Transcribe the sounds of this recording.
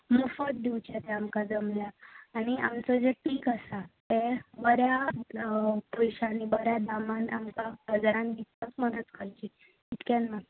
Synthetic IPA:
mufət̪̚d̪iwt͡ɕat̪ɛamkad͡zəmljaːɽ̃ia̰mt͡səd͡zeʈiːkəsat̪ebəɾja | pɔjɕaːnibəɾjad̪amãnamkabəd͡zaɾãnɡ̪itːãsməd̪ət̪kʰəlt͡ɕi | it̪kanːa

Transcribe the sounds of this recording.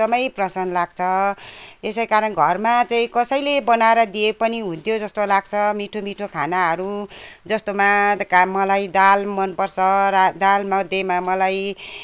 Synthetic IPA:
ʌmʌjprʌsʌnlaɡ̚t͡sʰʌ | esʌjkaɾʌnɡʱʌrmat͡saĩkʌsʌjlebʌnaeɾʌd̪iepʌniɦũnt̪ʰjod͡zʌst̪olaɡ̚t͡sʰʌmiʈʰomiʈʰokʰanaɦʌɾud͡zʌst̪omakamʌlajd̪almʌnpʌrsʰʌɾad̪almʌd̪emamʌlaj

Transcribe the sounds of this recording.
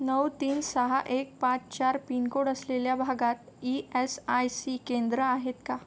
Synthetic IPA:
nəwt̪iːnsəɦaʔek̚pãt͡st͡ɕaɾpinkoɽəsleljabʱaɡat̪iesajsikend̪ɾəaɦet̪ka

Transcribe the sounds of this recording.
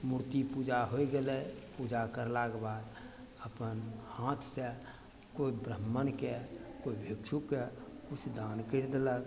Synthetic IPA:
muɾt̪ipud͡ʒaɦoiɡelɛpud͡ʒakəɾlakbad̪ | əpənhãt̪ʰse | koibɾəmːənkekoibʱekʃʰukːekut͡ʃʰd̪ankəɾd̪elək

